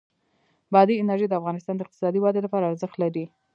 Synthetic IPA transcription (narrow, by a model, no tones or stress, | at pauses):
bɑd̪iɪnaɾʒijd̪əafɣɑnɪst̪ɑnd̪əɪq̚t̪ɪ̥sɑd̪iwɑd̪elapɑɾaːɾzəxt̪laɾi